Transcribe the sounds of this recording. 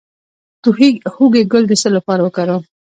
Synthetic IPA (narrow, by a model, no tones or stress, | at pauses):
t̪uhihuɡeɡəlɡ̪esəlapɑɾawəkaɾo